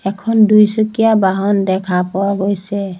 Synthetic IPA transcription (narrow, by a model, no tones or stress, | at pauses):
ɛkʰɔndujsukijabaɦɔndɛkʰapɔwaɡojsɛ